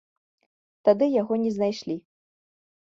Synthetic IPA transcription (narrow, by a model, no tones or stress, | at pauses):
t̪ad̪ɨjaɣɔnʲɛznajʂlʲi